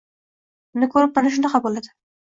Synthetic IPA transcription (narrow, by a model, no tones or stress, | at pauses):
nɪkʰɵɾɪp̚ːanɪʃ̬ʊnaχabolad̪ɪ̥